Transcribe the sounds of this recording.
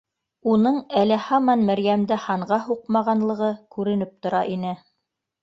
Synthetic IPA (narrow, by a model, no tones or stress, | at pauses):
unɤɴælæhɑmɑnmæɾjæmd̪æhɑɴʁɑɦuqmɑʁɑnlˠɤ̆ʁɤkʉɾɘ̆nɘp̚t̪ŏɾɑʔinɘ